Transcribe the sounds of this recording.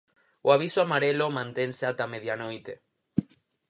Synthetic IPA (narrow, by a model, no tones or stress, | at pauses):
oaβ̞isoamaɾelomãnt̪enseat̪ameðjanojt̪e